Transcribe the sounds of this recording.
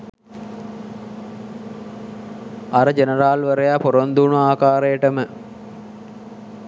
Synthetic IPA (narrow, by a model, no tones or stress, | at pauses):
aɾəd͡ʒenəɾaːlʋəɾejapoɾond̪uːnuaːkaːɾejəʈəmə